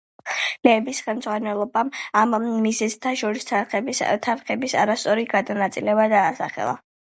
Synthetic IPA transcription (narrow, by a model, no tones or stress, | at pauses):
lɛːbisχɛlˠmd̪zʁwanɛlˠɔbamamːizɛzt̪ʰaʃɔɾisʰt̪ʰaɾχɛbisa̰ɾast̪sʼɔɾiɡad̪anat̪sʼilɛbad̪aːsa̰χɛ̰lˠa̰